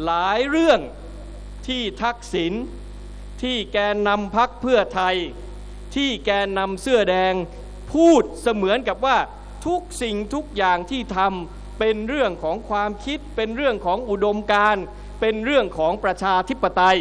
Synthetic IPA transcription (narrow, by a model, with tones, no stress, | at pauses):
laː˩˦jɾɯ˥˩əŋ | t̪ʰiː˥˩t̪ʰa˦˥k̚si˩˦n | t̪ʰiː˥˩kɛː˧nːa˧mpʰa˦˥k̚pʰɯ˥˩ɐt̪ʰa˧j | t̪ʰiː˥˩kɛː˧nːa˧msɯ˥˩ɐdɛː˧ŋ | pʰuː˥˩t̪̚sa˧mɯ˩˦ənka˨˩p̚waː˥˩ | t̪ʰu˦˥k̚si˨˩ŋt̪ʰu˦˥k̚jaː˨˩ŋt̪ʰiː˥˩t̪ʰa˧m | pe˧nɾɯ˥˩əŋkʰɔː˩˦ŋkʰwaː˧mkʰi˦˥t̪̚pe˧nɾɯ˥˩əŋkʰɔː˩˦ŋʔu˨˩do˧mkaː˧n | pe˧nɾɯ˥˩əŋkʰɔː˩˦ŋpɾa˧t͡ɕʰaː˧t̪ʰi˦˥pːa˧t̪a˧j